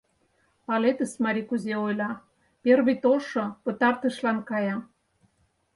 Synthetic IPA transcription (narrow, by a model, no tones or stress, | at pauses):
pɑlet̪əsmɑɾʲikuzeojlɑ | perβit̪oʃŏpə̆t̪ɑrt̪ə̆ʃlɑnkɑjɑ